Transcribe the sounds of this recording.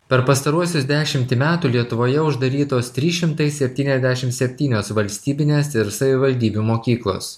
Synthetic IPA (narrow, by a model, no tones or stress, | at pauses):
pʲɛɾpɐst̪ɐɾuɔsʲʊsd̪ʲæːʃʲɪmʲt̪ʲɪmʲæːt̪uːlʲiɛt̪ʊʋoːjɛʊʒd̪ɐɾʲiːt̪oːst̪ʲɾʲiːʃʲɪmt̪ɐɪssʲɛpʲt̪ʲiːnʲɛzʲd̪ʲæːʃʲɪmt̪sʲɛpʲt̪ʲiːnʲoːsʋɐlʲsʲt̪ʲiːbʲɪnʲeːsɪɾsɐʋʲɪʋɐlʲd̪ʲiːbʲumoːkʲiːklˠo̰ːs